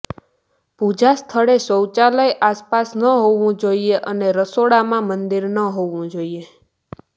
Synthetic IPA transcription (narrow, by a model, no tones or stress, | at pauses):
pud͡ʒast̪ʰəɭesəwt͡ʃaləjʔaspasnəɦoʋũd͡ʒoieʔəneɾəsoɽamãmənd̪iɾnəɦoʋũd͡ʒoie